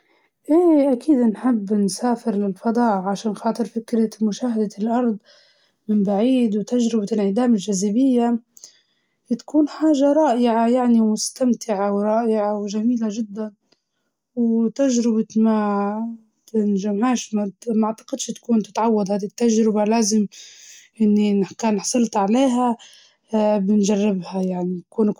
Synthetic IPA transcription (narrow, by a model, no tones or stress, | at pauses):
ʔeːʔakʰiːd̪nħɪbːnsaːfɪɾlɪlfɑd̪ˤɑːʔʕaʃaːnxɑːt̪ˤɨɾfɪkɾamʊʃaːhad̪alʔɑɾˤd̪ˤ | mɪmbaʕiːd̪wt̪aʒɾɪbalʕɪd̪aːmɪlʒazabɪjːa | it̪ḁkuːnħaːʒaɾˤɑːʔɪʕajaʕnimʊst̪amt̪ʰɪʕawɾˤɑːʔɪʕawʒamiːlaʒɪd̪ːan | wt̪aʒɾɪbama | t̪ɪnʒamhaːʃmamaaʕt̪ɑ̥qɪd̪ʃt̪kuːnt̪ɪt̪ʕawːad̪haːd̪it̪ːaʒɾɪbalaːzɪmʔɪnːinkaːnħɑ̥sˤɨlt̪ʕaleːɦa | bɪnʒarːɪbhajaʕnikuːn